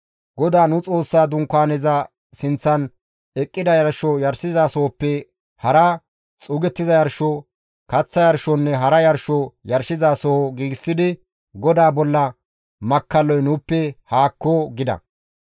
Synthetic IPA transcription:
ɡɔd̪aːnʊt͡sʼo̞ːsːaːd̪ʊŋkːaːnɛzɐ | sɪnt͡sːɐn | ɛkʼːɪd̪ɐjɐɾʃɔjɐɾsɪzaːsɔɔpːɛ | hɐɾɐ | t͡sʼuːɡɛt̪ːɪzɐjɐɾʃɔ | kɐt͡sːɐjɐɾʃɔnːɛɦɐɾɐjɐɾʃɔjɐɾsɪzaːsɔɡiːɡɪsːɪd̪ɪ | ɡɔd̪aːbɔlːɐ | mɐkːɐlːɔjnʊːpːɛhaːkːoɡɪd̪ɐ̰

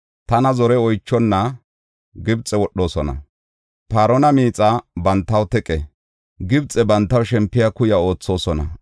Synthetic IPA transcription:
t̪ɐnɐzɔɾɛɔjt͡ʃːɔnːɐ | ɡɪbt͡sʼɛwɔɗːo̞ːsɔnɐ̰ | paːɾɔnɐmiːt͡sʼabɐnt̪ːɐwt̪ɛkʼɛ | ɡɪbt͡sʼɛbɐnt̪ːɐwʃɛmpːɪjɐkʊjɐo̞ːt͡sːo̞ːsɔnɐ̰

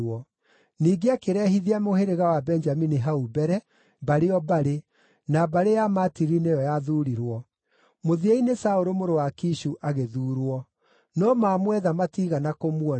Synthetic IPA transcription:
ɔ | niːɡeakeɾɛɦiðiamoheɾeɣawabɛnd͡ʒaminiɦaubɛɾɛ | baɾeɔbaɾe | nabaɾejamatiɾinejɔjaðuɾiɾwɔ | moðieinesaoɾomoɾowakiʃuʔaɣeðuːɾwɔ | nɔmaːmwɛðamatiɣanakomwɔ

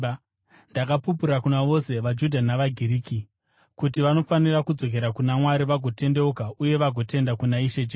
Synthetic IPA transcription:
ndakapup̬uɾakunaʋo̞se̞ʋad͡ʒudʱanaʋaɡʱiɾiːki | kutiʋano̞fanirakud͡zo̞k̬e̞ɾakunamwaɾiʋaɡʱo̞te̞nde̞ukaʔuje̞ʋaɡʱo̞te̞ndakunaiʃe̞d͡ʒe

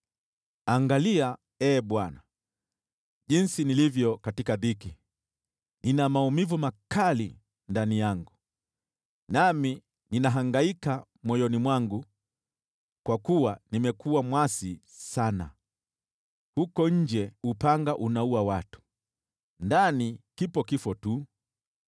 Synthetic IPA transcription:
aŋɡalia | ɛːɓwana | ʄinsinilivjɔkatikaðiki | ninamaumivumakalḭ | ndanijaŋɡu | nami | ninaɦaŋɡaika | mwɔjɔnimwaŋɡu | kwakuwanimɛkuwamwasi | sana̰ | hukɔɲ̩d͡ʒɛupaŋɡaʔunauwawatu̥ | ndanikipɔkifɔtu

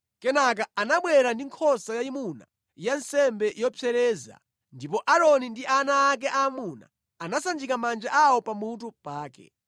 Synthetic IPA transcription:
kɛnak̬aanaɓwɛɾandiŋkʰɔsajaimuna̰ | jansɛmbɛjɔpʰɛɾɛːza̰ | ndipɔʔaɾɔnindiʔanaːk̬ɛʔaːmuna̰ | anasand͡ʒikamand͡ʒaʔawɔpamut̬upaːkɛ̰

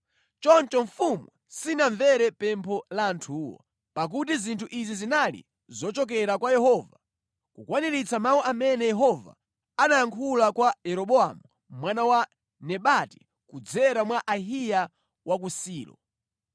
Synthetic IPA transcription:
t͡ʃɔnt͡ʃɔɱfumwɛsinaɱvɛɾɛpɛmpʰɔlaːntʰuːwɔ̰ | pak̬utizintʰuʔizizinalḭ | zɔt͡ʃɔk̬ɛɾakwajɛɦɔva | kukwaniɾit͡samawɔʔamɛnɛjɛɦɔva̰ | anajaŋkʰulakwajɛɾɔɓɔamu | mwanawa | nɛɓati̥ | kud͡zɛɾamwaʔaɦija | wʔak̬usiːlɔ̰

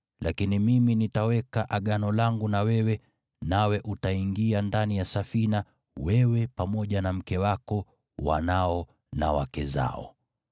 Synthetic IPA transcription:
lʔakinimiminitawɛkaʔaɠanɔlaŋɡunawɛwɛ | nawɛʔutaiŋɡiandanijasafina | wɛwɛpamɔʄanam̩kɛwakɔ | wa̰naɔ | na̰wa̰kɛza̰ɔ̰

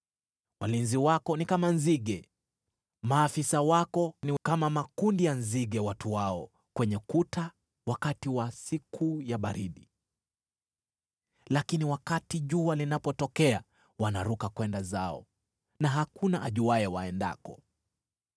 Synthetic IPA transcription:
walinziwakɔnikamanziɠɛ | maːfisawakɔnikamamakundijanziɠɛwatuwaɔ | kwɛɲɛkutʰa | wakatiwasikʰujaɓaɾiɗi | lakiniwakatiʄualinapɔtɔkɛa | wanaɾukakwɛndazaɔ̰ | naɦakunaʔaʄuaɛwaɛnda̰kɔ

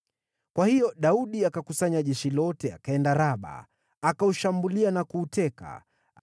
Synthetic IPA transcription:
kwahijɔɗauɗiakakusaɲaʄɛʃilɔtɛa̰kaɛndaɾaɓa̰ː | kauʃambulianakuːtɛka̰

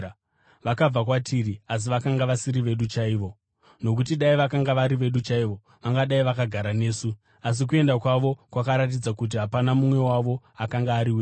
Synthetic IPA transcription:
ʋakab͡vak̬watʰirias̬iʋakaŋɡaʋasiɾiʋe̞ɗut͡ʃaiːʋo̞ | no̞k̬ut̬iɗaiʋakaŋɡaʋaɾiʋe̞ɗut͡ʃaiʋo̞ | ʋaŋɡaɗaiʋakaɡʱaɾane̞ːsu | as̬ik̬ue̞ndakwaʋo̞kwakaɾat̬id͡zakut̬iɦapanamumwe̞waʋo̞ | akaŋɡaːɾiweː

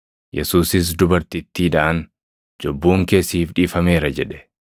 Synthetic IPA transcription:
jʔɛ̰suːsɪs̬d̪ʊbɐɾt̪ɪt̪ːiːᶑɐʔɐn | d͡ʒɔbːuːŋke̞ːsːiːfᶑiːfɐme̞ːɾɐd͡ʒɛᶑɛ̥

